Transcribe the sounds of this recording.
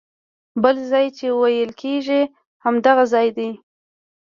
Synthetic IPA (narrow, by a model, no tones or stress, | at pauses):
bəlzɑjt͡ʃewajəlkʰeʒi | hamd̪aɣazɑjd̪i